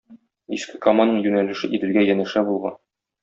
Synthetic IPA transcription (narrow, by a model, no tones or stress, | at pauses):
iskɘkamanɤɴjʉnælɘ̆ʃɘʔit̪ɘ̆lɡæjænɘ̆ʃæbulˠʁɑ̰n